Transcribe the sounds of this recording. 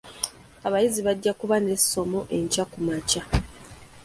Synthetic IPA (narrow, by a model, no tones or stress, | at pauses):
aβajiziβaɟːakuβane̞so̞mo̞ʔe̞ɲcakumaca